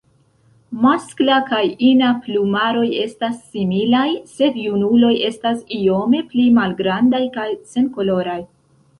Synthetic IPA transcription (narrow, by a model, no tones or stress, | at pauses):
masklakajinaplumaɾo̞je̞stasːimilajse̞djunulo̞je̞stasio̞me̞plimalɡɾandajkajse̞nko̞lo̞ɾaj